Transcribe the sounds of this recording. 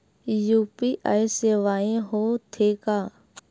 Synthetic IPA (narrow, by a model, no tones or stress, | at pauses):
juːpiːʔa̰ːiseːʋaːẽːɦoːt̪ʰeːkaː